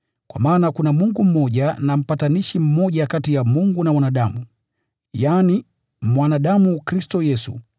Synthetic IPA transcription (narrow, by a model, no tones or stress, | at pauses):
kwa̰maːnakunamuŋɡum̩mɔʄanam̩pataniʃim̩mɔʄakatijamuŋɡunawanaɗamu | jaːni | mwanaɗamukɾistɔjɛsṵ